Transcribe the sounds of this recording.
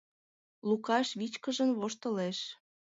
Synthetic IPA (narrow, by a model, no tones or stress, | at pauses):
lukɑʃβit͡ɕkəʒə̆nβoʃt̪ə̆leʃ